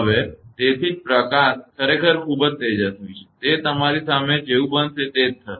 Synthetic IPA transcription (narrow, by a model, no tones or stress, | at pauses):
əʋet̪et̪ʰid͡ʒpɾəkaskʰəɾekʰəɾkʰubəd͡ʒt̪əd͡ʒət̪ujt͡ʃʰe̥t̪et̪əmaɾisamed͡ʒeũbənʃet̪et̪ʰːə